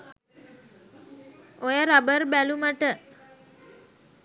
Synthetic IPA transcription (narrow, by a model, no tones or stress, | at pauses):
ojəɾabəɾbæluməʈə